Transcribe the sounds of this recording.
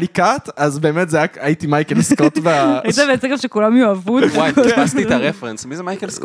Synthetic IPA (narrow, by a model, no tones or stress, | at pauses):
likat̪azbeːmet̪zajakajit̪imajkelskot̪ivait̪avet͡seɡamʃekulamjuavut̪wajastit̪aʁefʁensmizemajkelsk